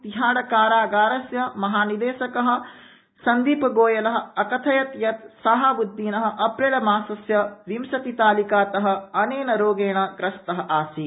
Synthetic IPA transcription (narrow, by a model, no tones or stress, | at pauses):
t̪iɦaːɽɐkaːɾaːɡaːɾɐsjɐmɐɦaːnid̪eːʃɐkɐɦɐ̆ | sɐnd̪iːpɐɡoːjɐlɐɦɐ̆ɐkɐt̪ʰɐjɐt̪jɐt̪saɦabud̪ʱːiːnɐɦɐ̆ʔɐpɾeːɭɐmaːsɐsjɐʋimsɐt̪it̪aːlikaːt̪ɐɦɐ̆ɐneːnɐɾoːɡeːɳɐɡɾɐst̪ɐɦɐ̆ʔaːsi